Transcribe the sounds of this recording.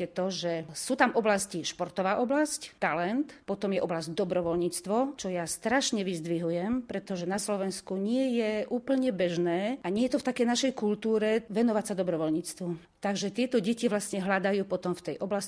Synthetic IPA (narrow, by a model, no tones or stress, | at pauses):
ɛt̪ɔʒɛsuːt̪amɔblasciʃpɔɾt̪ɔʋaːʔɔblasct̪alɛnt̪pɔt̪ɔmjɛʔɔblazɟd̪ɔbɾɔʋɔlɲiːt͡st̪ʋɔt͡ʃɔjast̪ɾaʃɲɛʋizd̪ʋiɦujɛmpɾɛt̪ɔʒɛnaslɔʋɛnskuɲɪɛjɛʔuːpl̩ɲɛbɛʒnɛːʔaɲɪɛjɛt̪ɔft̪akɛjnaʃɛjkult̪uːɾɛʋɛnɔʋacsad̪ɔbɾɔʋɔlɲit͡st̪ʋu | t̪aɡʒɛt̪ɪɛt̪ɔɟɛciʋlasɲɛɦlad̪ajuːpɔt̪ɔmft̪ɛjʔɔblas